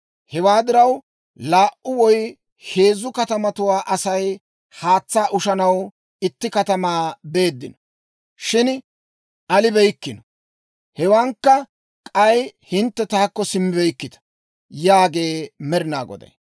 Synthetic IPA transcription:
hɛwaːd̪ɪɾɐw | laːʔʊwɔj | he̞ːzːʊkɐt̪ɐmɐt̪ʊwaːʔɐsɐj | haːt͡sːaːʔʊʃɐnɐw | ɪt̪ːɪkɐt̪ɐmaːbe̞ːd̪ːɪnɔ | ʃɪn | ʔɐlɪbɛjkːɪnɔ | hɛwaːŋkːɐ | kʼɐjhɪnt̪ːɛt̪aːkːɔsɪmːɪbɛjkːɪt̪ɐ̥ | jaːɡe̞ːmɛɾɪna̰ːɡɔ̰d̪ɐ̰j

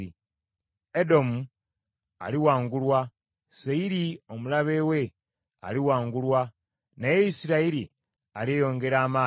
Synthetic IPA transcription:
i | edo̞mu | a̰liwaːŋɡulwa | seiɾio̞mulaβe̞ːwe̞ | a̰liwaːŋɡulwa | nejeisiɾaiɾi | alejo̞ːŋɡe̞ɾaːmaː

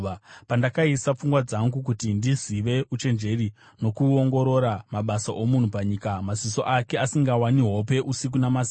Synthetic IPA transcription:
pandakaisap͡fuŋɡwad͡zaŋɡukutindiziʋe̞ut͡ʃe̞nd͡ʒe̞ri | no̞kuoŋɡo̞ɾo̞ɾamaɓasaʔo̞mun̤upaɲiːkamaziso̞ʔake̞asiŋɡawaniɦope̞ʔusik̬unamazi

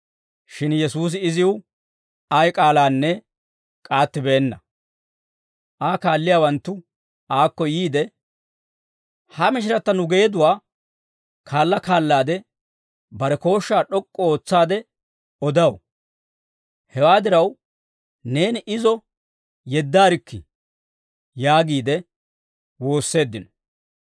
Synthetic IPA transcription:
ʃɪnjɛsuːs̬ɪɪzɪw | ɐjkʼaːlaːnːɛ | kʼaːt̪ːɪbe̞ːnːɐ | ʔaːkaːlːɪjaːwɐnt̪ːʊ | aːkːɔjiːd̪ɛ | hɐmɪʃ̬ɪɾɐt̪ːɐnʊɡe̞ːd̪ʊwaː | kʰaːlːɐkaːlːaːd̪ɛ | bɐɾɛko̞ːʃːaːɗɔkʼːɔoːt͡sːaːd̪ɛ | ɔd̪ɐw | hɛwaːd̪ɪɾɐw | ne̞ːnɪʔɪzɔ | jɛd̪ːaːɾɪkːɪ | jaːɡiːd̪ɛ | wo̞ːsːe̞ːd̪ːɪnɔ̥

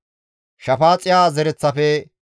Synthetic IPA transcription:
ʃɐfaːt͡sʼɪjaːzɛɾɛt͡sːɐfɛ

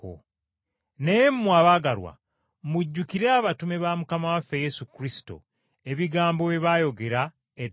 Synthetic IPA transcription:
o̰ | nejemmwaβaɡaɾwa̰ | muɟːukiɾeaβatumeβamukamawafːeje̞sukɾisi̥to̞̰ | e̞βiɡaːmbo̞βeβajo̞ɡe̞ɾa | e

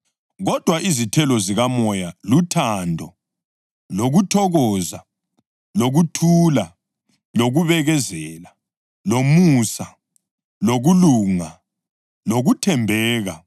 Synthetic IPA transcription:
ɣɔd̥ʱwaʔizitʰɛlɔziɣamɔjalutʰandʱɔ | loɣutʰɔɣɔza | loɣutʰuːla | loɣuβɛɣɛzɛːla | lomusa | loɣuluŋa | loɣutʰɛmbʱɛːɣa

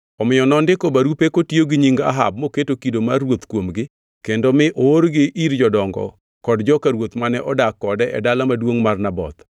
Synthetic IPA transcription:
ɔmɪjɔnɔndɪkobaɾupekotioɡɪɲiŋɡa̰ɦa̰b̚moketokidomarwot̪kwomɡɪ | kendomɪʔoːɾɡɪʔiɾd͡ʒɔdɔŋɡɔ̰ | kɔdd͡ʒɔkaɾwot̪manɛʔɔdakːɔdɛʔɛ̰dalamadwoŋmarnabɔ̰t̪

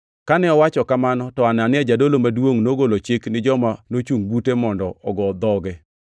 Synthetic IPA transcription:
kanɛɔwat͡ʃɔkamanɔtɔananɪɛd͡ʒadolomadwoŋnoɡolot͡ʃɪknɪd͡ʒɔmanot͡ʃuŋbutemɔndɔɔɡɔd̪ɔɡɛ

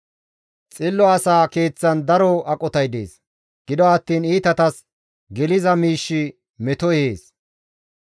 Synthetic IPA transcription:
t͡sʼɪlːɔɐsaːke̞ːt͡sːɐnd̪ɐɾɔɐkʼɔt̪ɐjd̪e̞̰ːs | ɡ̥ɪd̪ɔɐt̪ːiːniːt̪ɐt̪ɐs | ɡɛlɪzɐmiːʃːɪ | mɛt̪ɔɛheːs

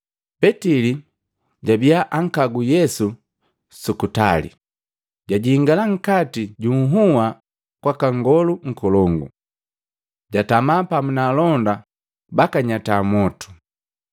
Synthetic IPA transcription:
pɛtili | ɟabijaʔaŋ̩kaɡujɛsu | sukuta̰lḭ | ɟaɟiːŋɡalaŋ̩katiɟuŋ̩ɦuwa | kwakaŋɡɔluŋ̩kɔlɔŋɡṵ | ɟatamapamunalɔnda | bakaɲatamɔtu̥

